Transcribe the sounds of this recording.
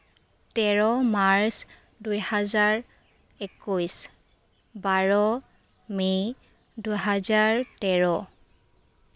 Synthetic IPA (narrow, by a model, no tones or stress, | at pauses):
tɛɹɔmaɹs | dujhazaɹ | ekujs | baɹɔ | mi | duɦazaɹtɛɹɔ